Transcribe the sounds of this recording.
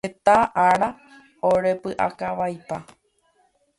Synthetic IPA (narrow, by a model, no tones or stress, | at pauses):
et̪aʔaɾa | oɾe̞pɨʔa̰kaʋajpa